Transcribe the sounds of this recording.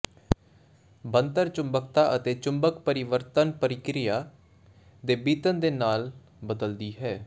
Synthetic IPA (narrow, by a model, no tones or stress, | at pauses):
bənt̪əɾt͡ʃʊmbək̚t̪aːʔət̪eːt͡ʃʊmbəkpəɾɪʋəɾt̪ənpəɾɪkɾɪjaː | d̪eːbiːt̪ənd̪eːnaːl | bəd̪əld̪iːɦɛː